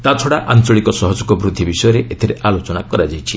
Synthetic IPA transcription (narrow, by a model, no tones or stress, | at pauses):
t̪at͡ʃʰoɽaʔant͡ʃɔɭikɔsɔɦɔd͡ʒɔkɔbɾud̪ʱːibisɔjɔɾeʔet̪ʰiɾeʔalot͡ʃɔnakɔɾad͡ʒajt͡ʃʰi